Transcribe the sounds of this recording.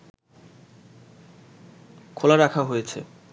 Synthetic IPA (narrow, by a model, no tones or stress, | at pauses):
kʰolaɾakʰaɦojet͡ɕʰḛ